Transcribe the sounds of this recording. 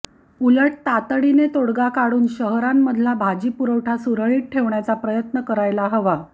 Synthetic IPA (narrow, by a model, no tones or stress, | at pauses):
uləʈ̚t̪at̪əɽinet̪oɽɡakaɽuːnɕəɦɾamːəd̪ʱlabʱad͡ʑiːpuɾəwʈʰasuɾəɭiːʈ̚ʈʰeʋɳjat͡sapɾəjət̪nəkəɾajlaɦəʋa